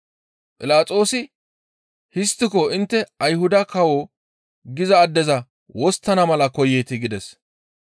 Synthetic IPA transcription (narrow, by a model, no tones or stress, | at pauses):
pʼɪlaːt͡sʼo̞ːsɪ | hɪst̪ːɪkɔɪnt̪ːɛɐjhʊd̪ɐkɐwo | ɡɪzɐːd̪ːɛzɐ | wɔst̪ːɐnɐmɐlɐkɔjeːt̪ɪɡɪd̪ɛs